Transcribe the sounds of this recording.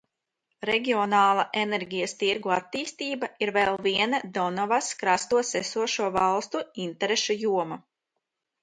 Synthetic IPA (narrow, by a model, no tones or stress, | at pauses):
ɾeɡʲiɔnaːlˠaʔeneɾɡʲijɐst̪iɾɡuat̪ːiːst̪iːbaiɾvɛlˠviɛnad̪ɔnɔvaskɾast̪uɔsesuɔʃuɔvɑlˠst̪uint̪ɛɾeʃujuɔma